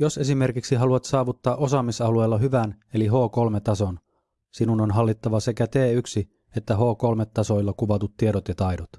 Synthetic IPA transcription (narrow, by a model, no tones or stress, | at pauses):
jo̞se̞s̬ime̞rkiksiɦɑluɑt̪sɑːʋut̪ːɑːʔo̞sɑːmisɑlue̞ːlːɑɦyʋæne̞liɦo̞ːko̞lmet̪ɑso̞n | sinunonɦɑlːit̪ːɑʋɑse̞kæt̪e̞ːyksi | e̞t̪ːæɦo̞ːko̞lmet̪ːɑso̞jlːɑkuʋɑt̪ut̪ːieɾot̪jɑt̪ɑjdot̪